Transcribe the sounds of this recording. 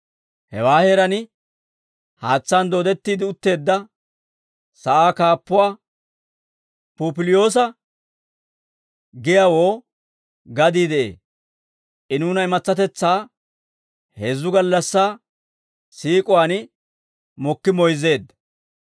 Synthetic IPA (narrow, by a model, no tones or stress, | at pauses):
hɛ̰waːheːɾɐnɪ | haːt͡sːaːnd̪oːd̪ɛt̪ːiːd̪ɪʊt̪ːe̞ːd̪ːɐ | sɐʔaːkaːpːʊwaː | puːpɪlɪjo̞ːs̬ɐ | ɡɪjawoː | ɡɐd̪iːd̪ɛʔḛː | ʔɪnuːnɐɪmɐt͡sːɐt̪ɛt͡sːaː | he̞ːzːʊɡɐlːɐsːaː | siːkʼʊwaːnɪ | mɔkːɪmɔjze̞ːd̪ːɐ